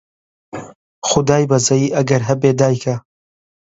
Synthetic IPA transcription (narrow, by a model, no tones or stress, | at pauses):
xʊd̪aːjbɐzɐjiːʔɐɡɐɾɦɐbeːd̪aːjkʰɐ